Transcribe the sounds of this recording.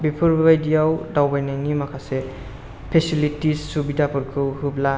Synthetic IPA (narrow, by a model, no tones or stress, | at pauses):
bipʰuɾbbajdijawdawbajnanimakʰase | pʰesilitisːubidapʰɯɾkʰɯwhubla